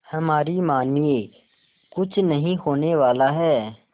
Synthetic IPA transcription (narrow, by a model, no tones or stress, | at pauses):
hɐmaːɾimaːnie | kʊt͡ʃʰnɐɦĩhoːneʋaːlaɦɛː